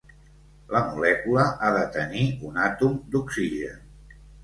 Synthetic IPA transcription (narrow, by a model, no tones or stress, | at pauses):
ləmulɛkuləʔaðət̪əniunat̪umd̪uksiʒən